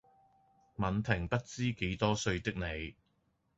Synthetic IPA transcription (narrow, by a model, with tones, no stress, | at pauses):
mɐ˨˧nt̪ʰɪ˨˩ŋpɐ˥t̚t͡siː˥ke˨˥jt̪ɔː˥sɵ˧ɥt̪ɪ˥k̚ne˨˧j